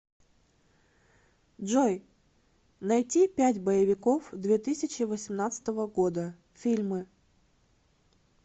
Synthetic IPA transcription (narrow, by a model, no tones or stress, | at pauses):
dʐoj | nɐjtʲipʲætʲbəjɪvʲɪkofd̪vʲe̞t̪ɨsʲɪt͡ɕɪvəsʲɪmnat̪sɨ̥t̪əvəɡo̞d̪ə | fʲilʲmɨ